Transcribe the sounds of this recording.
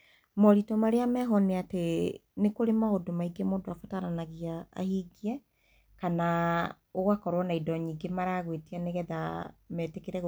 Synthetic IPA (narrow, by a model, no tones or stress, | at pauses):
mɔɾitɔmaɾeamɛɦɔneatenekoɾemaodomaiɡemoːdoafotaɾanaɣia̰ːhiɡiɛ | kana | oɣwakɔɾwɔnaidɔɲiːɡemaɾaɣwetianeɣɛðamɛːtekeɾɛɣ